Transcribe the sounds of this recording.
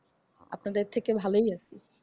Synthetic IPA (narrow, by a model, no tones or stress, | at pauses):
a̰pnad̪et̪ʰːekebʱalojasi